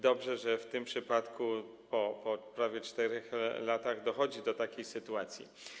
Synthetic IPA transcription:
d̪ɔbʐɛʐɛft̪ɘmpʂɘpat̪kʰu | pɔpɔpɾavʲjɛt͡ʂt̪ɛɾɛxlat̪aɣd̪ɔxɔd͡ʑid̪ɔt̪akʲejsɘt̪uat̪sʲjḭ

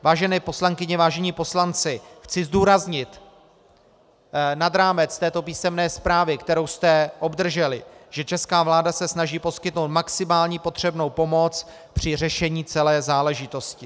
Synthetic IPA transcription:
vaːʒɛnɛːpo̞slaŋkɪɲɛvaːʒɛɲiːpo̞slant͡sɪxt͡sɪzduːɾazɲɪt̪ | nad̪ɾaːmɛt͡st̪ɛːt̪o̞piːsɛmnɛːspɾaːvɪkt̪ɛɾo̞wst̪ɛʔo̞bd̪r̩ʒɛlɪʒ̥ɛt͡ʃɛskaːvlaːdasɛsnaʒiːpo̞skɪt̪no̞wt̪̚maksɪmaːlɲiːpo̞t̪r̝̥ɛbno̞wpo̞mo̞t͡s | pr̝̥ɪr̝ɛʃɛɲiːt͡sɛlɛːzaːlɛʒɪt̪o̞scɪ

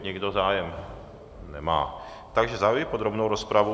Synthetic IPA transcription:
ɲɛɡd̪ozaːjɛm | nɛma̰ː | t̪aɡʒɛzaujɛpod̪ɾobnowɾospɾavu

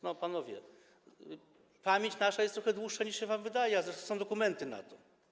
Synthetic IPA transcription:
nɔpanɔvʲjɛ̰ | pamʲjeɲt͡ɕnaʂajɛst̪ɾɔxɛd̪wuʂːaɲiʂɕɛvamvɘd̪ajɛazɾɛʂt̪ɔsɔ̃w̃d̪ɔkumɛnt̪ɘna̰t̪ɔ

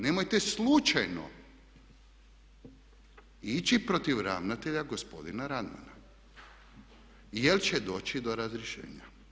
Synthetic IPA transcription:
nemo̞jt̪eslˠut͡ʃajno̞̰ | it͡ɕipɾot̪iʋɾa̰ʋnat̪e̞ʎaɡo̞spo̞̰d̪inaɾad̪ma̰na̰ | jelt͡ɕed̪o̞ːt͡ɕid̪o̞ɾazɾjeʃḛːɲa

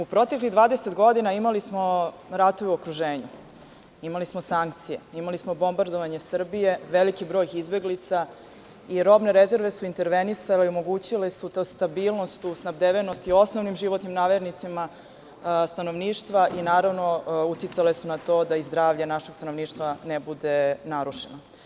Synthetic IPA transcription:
upɾo̞t̪e̞kliɣd̪ʋaːd̪eset̪ɡo̞d̪inaimalismo̞ | ɾat̪oʋeuokɾuʒeːɲu | imalismosaŋk̚t̪sije̞̰imalismo̞bo̞mbaɾd̪oʋaɲe̞sr̩bije̞ʋe̞likibɾo̞jizbe̞ɡlit̪sa | iɾo̞bne̞ɾe̞ze̞ɾʋe̞suint̪e̞ɾʋenisaleiomo̞ɡuːt͡ɕile̞sut̪oːst̪abiːlˠno̞st̪usnabd̪eʋenost̪io̞sno̞ʋnimʒiʋo̞t̪nimnaːʋeɾnit̪sima | st̪ano̞ʋniːʃt̪ʋaʔinaːɾaʋnout̪jit̪sale̞sunat̪o̞ːd̪aizd̪ɾaːʋʎanaʃeɡst̪ano̞ʋniːʃt̪ʋanebud̪e̞naɾuʂeno

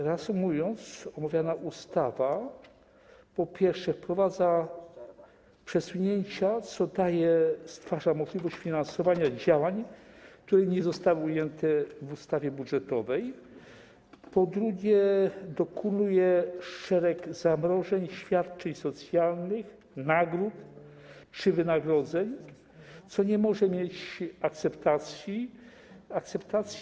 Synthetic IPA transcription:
ɾasumujɔnt̪sɔmavʲjanaʔust̪ava | pɔpʲjɛɾʂɛfpɾɔvad̪za | pʂɛsuɲɛɲt͡ɕat̪sɔd̪ajɛst̪faʐamɔʐlʲivɔɕt͡ɕfʲinansɔvaɲad͡ʑawaɲkt̪uɾɛɲɛzɔst̪awɘujɛnt̪ɛvust̪avʲjɛbudʐɛt̪ɔvɛj | pɔd̪ɾuɡʲjɛd̪ɔkʰunujɛʂɛɾɛɡz̥amɾɔʐɛɲɕfʲjat̪t͡ʂɛɲsɔt̪sʲjalnɘx | naɡɾut̪ | t͡ʂɘvɘnaɡɾɔd̪zɛɲ | t̪sɔɲɛmɔʐɛmʲjet͡ɕakt̪sɛpt̪at̪sʲji | ak̚t̪sɛpt̪at̪sʲ

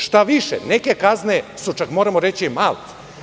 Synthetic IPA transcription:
ʃt̪aʋiʃeneke̞kaznesut͡ʃakmoːɾamoɾe̞t͡ɕimalt̪

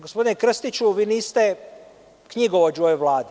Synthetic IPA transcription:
ɡospo̞d̪inekr̩st̪it͡ɕuʋiːniːst̪e | kɲiɡood͡ʒojoʋlˠaːd̪i

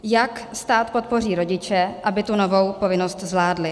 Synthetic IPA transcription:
jakst̪aːt̪po̞t̪̚po̞riːɾo̞ɟɪt͡ʃɛʔabɪt̪unovo̞wpo̞vɪno̞st̪zvlaːdlɪ

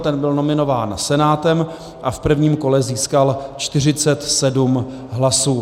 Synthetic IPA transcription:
t̪ɛnbɪlno̞mɪno̞vaːnsɛnaːt̪ɛm | ʔafpr̩vɲiːmko̞lɛziːskalt͡ʃt̪ɪr̝ɪt͡sɛt̪sɛdum | ɦlasuː

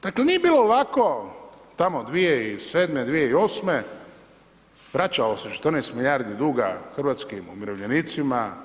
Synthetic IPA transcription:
d̪aklenijebiːlo̞lako | t̪amod̪ʋijeiseːd̪med̪ʋijeio̞ːsme | ʋɾat͡ʃaoset͡ʃe̥t̪əɾnɛjst̪milʲjaɾd̪id̪uːɡa̰xr̩ʋat̪skimumiɾoʋʎenit̪sima

